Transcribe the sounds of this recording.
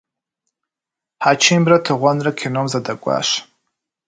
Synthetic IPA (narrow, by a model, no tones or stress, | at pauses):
ħat͡ʃʰɪmbratʰɨʁʷanrakʲʰenomzadakʷʼa̰ʂ